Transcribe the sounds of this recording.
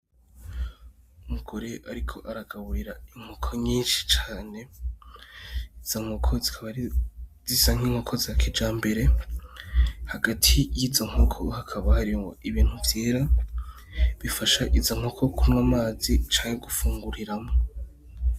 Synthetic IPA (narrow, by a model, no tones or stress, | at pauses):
umuɡ̥o̞ɾe̞ʔaɾikʰo̞ʔaɾaɡaβuɾiɾaiŋ̥hokʰoɲiːnʃi̥t͡ʃaːne̞ | iz̥oŋ̥okʰoziβ | zizaŋ̥iːŋhokʰo̞ziakʰed͡ʒaːmbe̞ɾe̞ | haɡatʰijizoŋ̥okʰo̞̰hakʰaβahaɾiŋoʔiβiːn̥huvjeːɾa | βifaʃaʔizoŋ̥okʰo̞kʰunwamaːzit͡ʃaːŋeɡufuːŋɡuɾiɾamo